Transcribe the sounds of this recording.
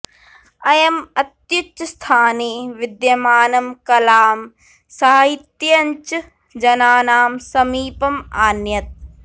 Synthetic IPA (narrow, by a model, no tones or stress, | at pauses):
ɐjɐmɐt̪jut͡ʃːɐst̪ʰaːniʋɪd̪jɐmaːnɐmkɐlaːm | sɐːaɦit̪jɐɐɲt͡ʃ | d͡ʒɐnaːnaːmsɐmiːpɐmaːnjɐt̪̚